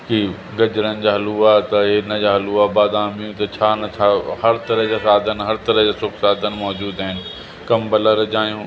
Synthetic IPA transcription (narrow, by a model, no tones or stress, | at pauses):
ki | ɡɐd͡ʑɾənɪ̆d͡ʑaːɦɐluat̪ɐɦeːnəd͡ʑaːɦɐluːabaːd̪aːmjũt̪ɐt͡ɕʰaːnɐt͡ɕʰaːhɐɾt̪ɐɾəɦd͡ʑaːsaːd̪ənɪɦɐɾt̪ɐɾəɦd͡ʑaːsʊksaːd̪ʱənɪ̆mɔːd͡ʑuːd̪aɦɪnɪ̆ | kɐmbɐləɾd͡ʑaːijũː